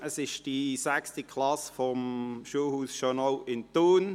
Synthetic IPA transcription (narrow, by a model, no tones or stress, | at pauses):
əsɪʃd̥isækstəkʰlɑsfɔmʃuːhuːsʃɔnoʊʔɪnt̪uːn